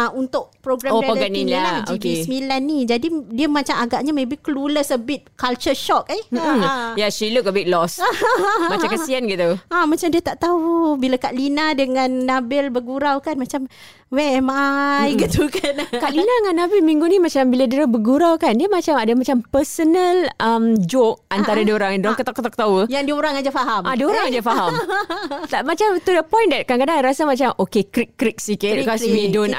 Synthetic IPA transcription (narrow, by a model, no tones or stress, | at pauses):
aunt̪ʊʔ̚pɾoɡɾaooɡaniaad͡ʒikismilanːid͡ʒadidiəmat͡ʃamaɡaʔɲamebihkəluləsəbɪt̪̚kalt͡ʃəʃɔk̚i | jaʃilʊkəbik̚lɔs | mat͡ʃamkəsianɡit̪uamat͡ʃamdiət̪aʔt̪aubilakaʔlinadəŋãnːabɪlbəɡuɾawkanmat͡ʃam | wɛmaiɡət̪ukankaʔlinaŋanːabɪlmiŋɡunimat͡ʃambiladiɾəbəɡuɾawkandiamat͡ʃamadamat͡ʃampəsənəlʔəmd͡ʒok̚ant̪aɾadioɾaŋdoɾaŋkət̪akət̪ak̚t̪awəjaŋdioɾaŋad͡ʒafaɦamʔadioɾaŋad͡ʒafaɦamt̪amat͡ʃamt̪udəpɔjndɛt̚kaŋkadaŋɾasamat͡ʃamokekɾikːɾik̚sikɪt̚kɔsmidɔn